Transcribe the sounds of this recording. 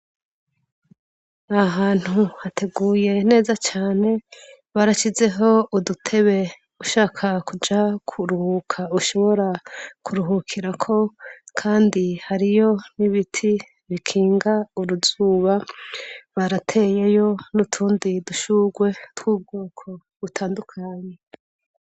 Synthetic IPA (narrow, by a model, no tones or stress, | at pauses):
aɦaːn̥huhatʰe̞ɡuːje̞ne̞ːzat͡ʃaːne̞ | βaɾaʃize̞ɦo̞udutʰe̞βe̞ | uʃaːkʰakud͡ʒakʰuɾuhukʰauʃo̞βo̞ɾakʰuɾuɦukʰiɾakʰo̞kʰaːndihaɾijo̞niβitʰi | βikʰiːŋɡauɾuzuːβa | βaɾatʰe̞jejo̞nutʰuːndiduʃuɡwe̞twuːb̚ɡoːkʰo̞ | βutʰaːndukʰaːɲe̞